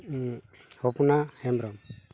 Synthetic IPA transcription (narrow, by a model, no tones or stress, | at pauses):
hɔpunahɛmbɾɔm